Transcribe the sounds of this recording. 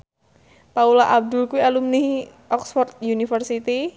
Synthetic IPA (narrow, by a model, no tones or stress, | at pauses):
paulaʔab̚d̪ʊlkuwialumnihʔɔksfɔrt̪̚junifərsit̪i